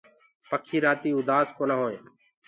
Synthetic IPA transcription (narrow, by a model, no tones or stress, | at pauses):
pəkʰiːɾaːt̪iːud̪aːskoːnaːɦoːẽː